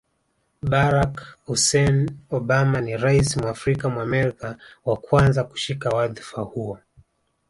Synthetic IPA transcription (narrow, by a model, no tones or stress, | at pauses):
ɓaɾakhusɛnɔɓamaniɾaisimwaːfɾikamwaːmɛɾikawakwanzaku̥ʃikawaðifahuɔ